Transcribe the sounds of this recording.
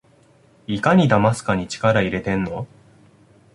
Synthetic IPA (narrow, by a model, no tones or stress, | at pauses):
ikaɲ̟id̪amasɨ̥kaɲ̟it͡ɕi̥kaɾaiɾe̞t̪ẽ̞nːo̞